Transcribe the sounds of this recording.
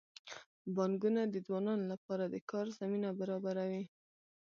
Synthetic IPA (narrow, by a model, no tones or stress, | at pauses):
bɑŋɡunad̪əd͡zwɑnɑnolapɑɾad̪əkɑɾzaminabaɾɑbaɾawi